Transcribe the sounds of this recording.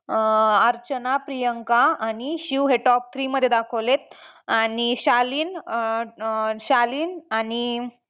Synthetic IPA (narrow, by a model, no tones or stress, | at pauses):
əɾt͡ɕənapɾijəŋkaañiɕiʋɦeʈɔp̚t̪ʰɾiːməd̪ʱːjed̪akʰəʋlet̪̚aniɕaliːn | ɕaliːnani